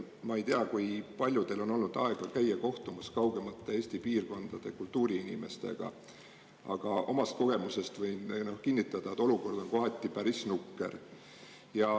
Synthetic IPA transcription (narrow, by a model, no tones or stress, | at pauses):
mɑe̞jt̪eɑkujpɑlʲjud̪̥e̞lo̞no̞lnud̪̥ɑe̞ɡ̥ɑkæjːɑko̞ht̪umɑskɑwɡ̥e̞mɑt̪ːeeːsʲt̪ipiːrko̞nd̪̥ɑd̪̥e̞kult̪ːˑuːɾiinime̞̰st̪e̞̰ɡ̥ɑ̰ | ʔɑ̰ɡ̥ɑʔo̞mɑst̪̚ko̞ɡ̥e̞muse̞st̪vɤjnno̞hkinːit̪ːˑɑd̪̥ɑet̪ːˑo̞luko̞rd̪̥o̞nko̞ɦɑt̪ʲˑːipæɾisnukːe̞̰r | jɑ